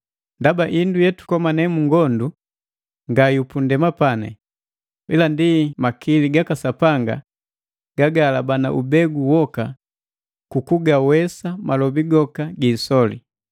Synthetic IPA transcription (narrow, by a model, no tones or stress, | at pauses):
ndabaʔindujɛtu̥kɔmanɛmuŋɡɔndu | ŋɡajupundɛmapanɛ̰ | wilandimakiliɡakasapaŋɡa̰ | ɡ̥aɡalabanaʔubɛɡuwɔka | kukuɡawɛsamalɔbiɡɔkaɡiːsɔlḭ